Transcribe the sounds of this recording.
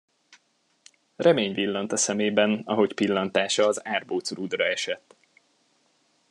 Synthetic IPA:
rʔɛmeːɲvilːɒnt̪ɒsɛmeːbɛnɒɦo̞cpilːɒnt̪aːʃɒːzaːrboːt̪sɾud̪rɒɛʃɛt̪ː

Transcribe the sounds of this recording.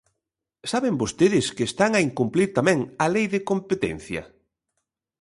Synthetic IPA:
saβembost̪eðɪskɪːst̪aŋɐiŋkumpliɾt̪amɛ̃ŋɐlejðɪkompet̪ɛ̰n̟θjɐ̰

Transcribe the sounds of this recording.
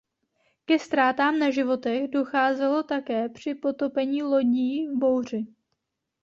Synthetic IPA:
kɛst̪ɾaːt̪aːmnaʒɪvo̞t̪ɛɣdo̞xaːzɛlo̞t̪akɛːpr̝̥ɪpo̞t̪o̞pɛɲiːlo̞ɟiːbo̞wr̝ɪ

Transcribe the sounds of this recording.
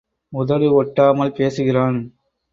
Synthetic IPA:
mʊðɐɭɯɔʈːaːmɐlpeːsɯɣɪraːn

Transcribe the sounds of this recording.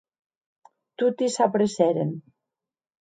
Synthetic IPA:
t̪ut̪isapɾesɛɾen

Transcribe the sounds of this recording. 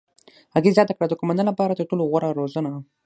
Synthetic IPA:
haɣizjɑt̪akɽad̪əkomand̪ənlapɑɾad̪əʈoloɣwaɾaɾozana

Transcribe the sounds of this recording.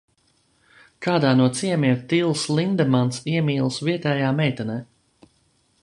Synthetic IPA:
kaːd̪aːnuɔt̪siɛmiɛɾt̪ilˠslˠind̪ɛmansiɛmiːlˠsviɛt̪ɛːjaːmɛjt̪ɛnɛː

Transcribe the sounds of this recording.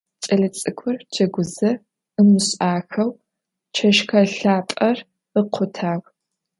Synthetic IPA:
t͡ʃʼɐɮɐt͡sʼɨkʷʰʊrd͡ʒʰɐɡʷʊzɐ | ɨmɨɕʼaːxɐw | t͡ʃʰɐʃxɐɬaːpʼɐr | əqʷʰʊtʰaːɣ

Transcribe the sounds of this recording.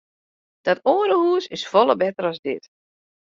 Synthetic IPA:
d̥ɔtoːəɾəhuːsɪsfɔlˠəbɛtəɾɔzdɪt

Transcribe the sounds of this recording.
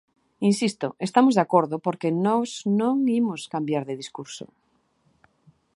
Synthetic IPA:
insist̪oest̪amozðeakoɾðopoɾkenɔznõŋimoskambjaɾðeðiskuɾso̰

